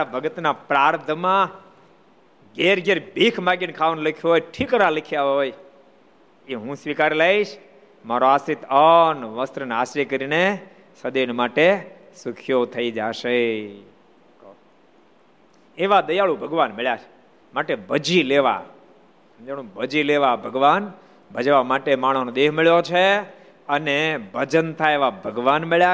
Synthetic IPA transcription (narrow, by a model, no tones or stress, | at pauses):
abʱəɡət̪napɾaɾt̪ʰəmã | ɡeɾɡeɾbʱikʰmaɡinkʰaʋənlikʰjoɦojʈʰikəɾalikʰjaɦoj | iɦũsʋikaɾelaiʃ | maɾoasit̪ənʋəst̪ɾənaʃɾikəɾine | səd̪enmaʈe | sʊkʰjot̪ʰəid͡ʒaʃe | k | eʋad̪əjaɭũbʱəɡʋanmeɭjat͡ʃʰ | maʈebəd͡ʒileʋa̰ | d͡ʒəɽ̃ũbəd͡ʒileʋabʱəɡʋan | bʱəd͡ʒʋamaʈemaɽ̃onod̪eɦmɪɭjot͡ʃʰe | ənebʱəd͡ʒənt̪ʰaeʋabʱəɡʋanmeɭja